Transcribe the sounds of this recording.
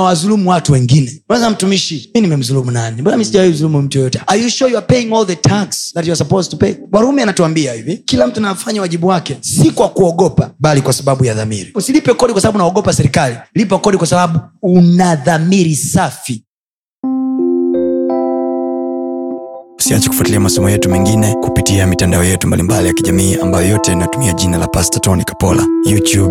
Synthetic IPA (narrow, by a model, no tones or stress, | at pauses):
nawazulumuwatuwɛŋɡinɛnawɛzam̩tumiʃiminimɛm̩zulumunanimbanamisiʄawɛizulumum̩tujɔjɔtɛajuʃɔjuapɛiŋɔlðətʰaksðatjɔsapɔztupɛjɓwaɾaumɛanatuambiahivikilam̩tunawafaɲawaʄiɓuwakɛsikwakuɔɡɔpaɓalikwasaɓaɓujaða̰mḭɾiusilipɛkɔɗikwasaɓaɓunaaɔɡɔpasɛɾikalilip̬akɔɗikwasaɓaɓuːnaðamiɾisafi | u̥siat͡ʃɛku̥fwatiliamasɔmɔjɛtumiŋɡinɛkupitiamitandaɔjɛtumbalimbalijakiʄamiːambajɔjɔtɛnatumiaʄinalapastatɔnikḁpɔla̰jutub